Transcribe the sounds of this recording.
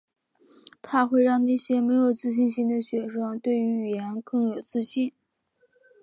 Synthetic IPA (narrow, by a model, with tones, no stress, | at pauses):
t̪ʰa˥xwe˥˧ɪɻɑ˥˧ŋna˥˩ɕjɛ˥me˧˥ɪjo˨˩ʊt͡sɹ̩˥˧ɕ̬i˥˧nɕi˥˩nd̪ə˨ɕɥɛ˧˩ʂɤ˥ŋt̪we˥˩ɪy˧˥y˨˩jɛ˧˥nkɤ˥˩ŋjo˨˩ʊt͡sɹ̩˥˧ɕi˥˩n